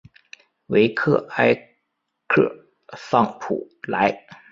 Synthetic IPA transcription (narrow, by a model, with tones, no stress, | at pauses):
we˧˥ɪkʰɤ˥˩a˥ɪ | kʰɤ˥˩ | fɑ˥˩ŋpʰṵ˨˩ | la˧˥ɪ